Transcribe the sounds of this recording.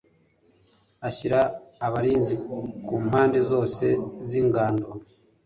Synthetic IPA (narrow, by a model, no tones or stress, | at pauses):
açiɾaːβaɾiːnzikuːm̥haːndezo̞ːse̞ziŋɡaːndo